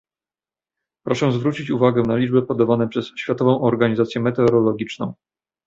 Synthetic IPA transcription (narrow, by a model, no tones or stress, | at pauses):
pɾɔʂɛzvɾut͡ɕit͡ɕuvaɡɛnalʲid͡ʐbɛpɔd̪avanɛpʂɛsɕfʲjat̪ɔvɔ̃w̃ʔɔɾɡaɲizat̪sʲjɛmɛt̪ɛɔɾɔlɔɡʲit͡ʂnɔ̰̃w̃